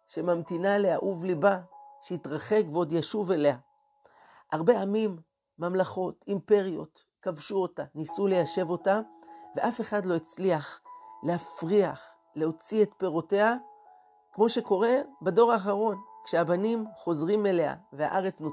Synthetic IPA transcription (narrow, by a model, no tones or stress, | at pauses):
ʃemamt̪inalea̰ʔuvlibaʃeitʁaχe̞kbeo̞djaʃuve̞le̞a | ʔaʁbe̞amimː | amlaχo̞timpe̞ʁijo̞̰t̪ | kavʃuo̞tanisule̞jaʃe̞vo̞tave̞ʔafe̞χadlo̞it͡sliaχleafʁiaχ | le̞o̞t͡sie̞t̪pe̞ʁo̞te̞a | kmo̞ʃe̞ko̞ʁe̞bedo̞ʁaːχaʁo̞nkʃeabanimχo̞zʁime̞lea̰vea̰ʔaʁe̞t͡sno